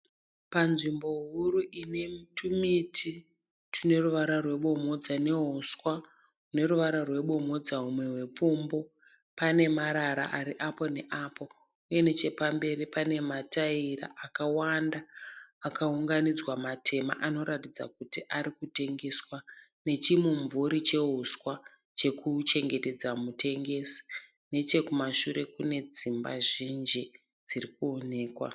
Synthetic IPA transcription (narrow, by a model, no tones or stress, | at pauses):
panʐimbo̞ɦuɾuʔinemtʰumitʰi | tʰine̞ruʋaɾarwe̞ɓo̞mo̞d͡zane̞ɦoskwa | une̞ruʋaɾarwe̞ɓo̞mo̞d͡zaɦumwe̞ɦwe̞pombo̞ | pane̞maɾaɾa̰ʔaɾiʔapo̞ne̞ʔaːpo̞ | uje̞net͡ʃe̞pambe̞ɾipane̞mataiɾa̰ʔakawandaːkauŋɡanid͡zwamatʰe̞ma̰ʔano̞ɾatid͡za̰kutiʔaɾikute̞ŋɡe̞swane̞t͡ʃimuɱvuɾit͡ʃe̞ɦuswa | t͡ʃe̞kut͡ʃe̞ŋɡe̞te̞d͡zamute̞ŋɡe̞si̥ | ne̞t͡ʃe̞kumaʃuɾe̞kune̞d͡zimba̰ʐind͡ʒi | d͡zirikuone̞ːkwa̰